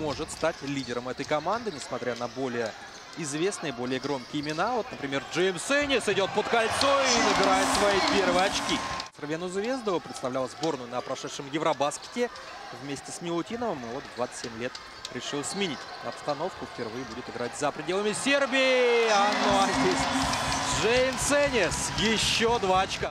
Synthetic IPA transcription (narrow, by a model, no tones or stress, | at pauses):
mo̞ʐɨt̪st̪atʲlʲidʲɪɾəmɛt̪əjkɐmand̪ɨnʲɪsmɐt̪ɾʲanɐbo̞lʲɪjə | ɪzvʲe̞snɨɪbo̞lʲɪjəɡɾo̞mkʲɪːmʲɪnavo̞t̪nəpɾʲɪmʲe̞rʐɨmsɛnʲɪsɪdʲo̞t̪̚pət̪kɐlʲt̪so̞inəbʲɪɾajɪt̪svɐjipʲe̞rvəjəɐt͡ɕkʲisʲɪrbʲenʊzvʲe̞zd̪əvəpɾʲɪt̪st̪ɐvlʲalˠzbo̞rnʊjʊnəpɾɐʂɛt̪ʂɨmjɪvɾɐbaskʲɪ̥tʲɪ | vmʲesʲtʲɪsʲmʲɪlˠʊtʲinəvəmɨvo̞t̪d̪vat̪sə̥ɨ̥t̪ʲsʲemʲlʲet̪ | ɾʲɪʂɨlˠsʲmʲɪnʲitʲ | ɐpst̪ɐno̞fkʊfʲpʲɪrvɨjəbudʲɪt̪ɨɪɡɾatʲzəpɾʲɪdʲe̞lˠəmʲɪsʲe̞rbʲɪːɪanːʊazʲdʲesʲʐejmsenʲɪsjɪɕːo̞d̪vaɐt͡ɕka